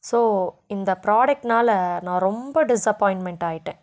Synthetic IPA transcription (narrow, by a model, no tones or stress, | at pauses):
soːɪnd̪ɐpɾaːɖɛk̚ʈnaːlɐnãːɾɔmbɐɖɪsɐpːɔːɪɳʈmɛɳʈaːjɪʈːẽː